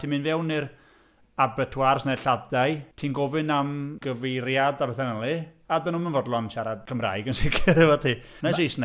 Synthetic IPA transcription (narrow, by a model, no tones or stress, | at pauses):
tʰiːmɨnvɛwnɪr | abɛtʰwarsnaɬadajtʰiːnɡɔvɨnamɡəvejɾjadabɛθanəlˠɨadənuːmənvɔdlˠɔnʃaɾadkʰəmra̰ːjɡənsɪkʰɪɾəvɔtʰiː | naʃiːsna